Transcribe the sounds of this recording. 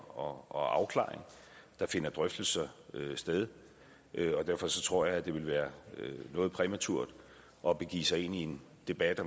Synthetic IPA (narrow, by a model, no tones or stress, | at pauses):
ɒɒɑ̈ʊkʰlɑ̰̈ːeŋ | d̥ɑ̈fe̝nɐd̥ʁœfd̥l̩səsd̥eðˠ | ʔøɒ̽d̥æɐfɒ̽sɒ̽t͡sʰʁo̝ɐ̰jɑ̈ɪæd̥e̝ʋe̝lʋæːɐønɔ̽ːðˠpʰʁɛmæt͡sʰuɐ̰d̥ | ʔɒ̽b̥e̝ɡ̥ḭːsɑ̈ɪe̝̰nie̝n | d̥e̝b̥æd̥ɒ